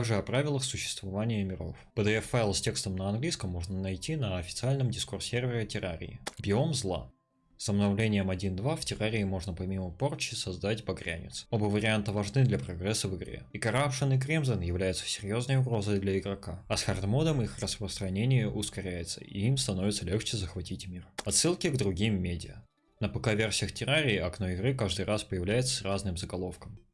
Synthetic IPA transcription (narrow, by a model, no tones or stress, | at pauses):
aɡʐɨɐpɾavʲɪlˠəxsʊɕːɪ̥st̪vɐvanʲɪjəmʲɪɾo̞fpəd̪ɨɛfaɪlˠsʲtʲe̞kst̪əmnəɐnɡlʲijskəmːo̞ʐnənɐjtʲinəɐfʲɪt̪sɨalʲnəmdʲɪskʊrsʲervʲɪɾʲɪtʲɪɾaɾʲɪ̰ɪ̰bʲɪomzlˠa̰ | səbnɐvlʲenʲɪjəmɐdʲind̪vaftʲɪɾaɾʲɪːmo̞ʐnəpɐmʲiməport͡ɕːɪsɐzd̪atʲbɐɡɾʲæ̰nʲɪ̰t̪so̞bəvəɾʲɪant̪əvɐʐnɨd̪lʲɐpɾɐɡɾɛsːəvɨɡɾʲḛikɐɾapʂɨnɨkɾʲimzənjɪvlʲæjʊt̪sə̥sʲɪɾʲjo̞znəjʊɡɾo̞zəjd̪lʲɐɪɡɾɐkaɐsxɐrd̪mo̞nəmixrəspɾəst̪ɾɐnʲenʲɪjəʔʊskɐɾʲæjɪt̪sə̥̰ḭimst̪ɐno̞vɪt̪səlʲe̞xt͡ɕɪzəxvɐtʲitʲmʲirɐt̪sːɨlˠkʲɪɡd̪ɾʊɡʲimːʲedʲɪjə̰ | nəpɐkavʲe̞rsʲɪjəxtʲɪɾaɾʲɪːɐknoɪɡɾɨkaʐd̪ɨjɾʔaspəjɪvlʲæjɪt̪sə̥sraznɨmzəɡɐlˠo̞fkəm